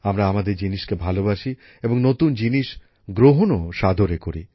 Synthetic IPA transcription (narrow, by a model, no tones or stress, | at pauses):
amɾaamad̪eɾd͡ʑiniʃkebʱalobaʃi | eboŋnot̪und͡ʑiniʃ | ɡɾoɦonoʃad̪ʱoɾekoɾḭ